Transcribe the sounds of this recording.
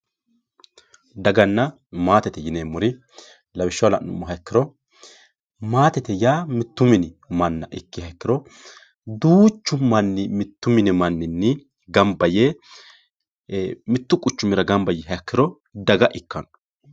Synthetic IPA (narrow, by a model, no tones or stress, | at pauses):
d̪ɐɡɐnːɐ | maːt̪ɛt̪ɛjɪneːmʊɾɪ | lɐbɪʃːɐwlɐ̰nːʊ̰mːʊɦɐkːɪɾɔ | maːt̪ɛt̪ɛjaːmɪt̪ːʊmɪnɪ | mɐnːɐ̰ʔɪkːɪhɐkːɪɾɔ | d̪uːt͡ʃːʊmɐnːɪmɪt̪ːʊmɪnɪmɐnːɪnːɪ | ɡɐmbɐjeː | mɪt̪ːʊkʼʊt͡ʃːʊmɪɾɐɡɐmbɐjɛɦɐkːɪɾɔ | d̪ɐɡɐʔɪkːɐn